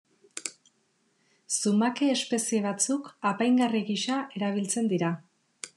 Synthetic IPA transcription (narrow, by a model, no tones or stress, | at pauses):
sumake̞ːspe̞sie̞β̞at͡sukapajŋɡariɣiʃae̞ɾaβ̞ilt͡se̞nd̪iɾa